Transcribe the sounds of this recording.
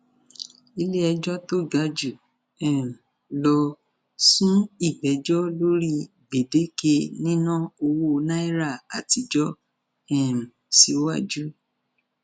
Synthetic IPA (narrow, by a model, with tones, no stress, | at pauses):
i˧le˦ɛ˧d͡ʒɔ˦to˦˨ɡa˨˧˦d͡ʒu˨ | ɛ˨ | lɔ˧ | sũ˦i˦˨ɡ͡bɛ˨d͡ʒɔ˦lo˦ɾi˦˨ | ɡ͡be˨de˨˦ke˧nĩ˦nã˦o˧wo˦˧nã˦i˦ɾa˦˨a˨ti˧d͡ʒɔ˦ | ɛ˨m̩˨ | si˧o˦wa˦d͡ʒu˦